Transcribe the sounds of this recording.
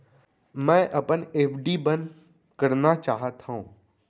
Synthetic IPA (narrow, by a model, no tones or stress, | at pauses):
mɛ̃ːʔɐpəneːfɖibən | kɐɾnat͡ʃaːɦət̪ʰaũː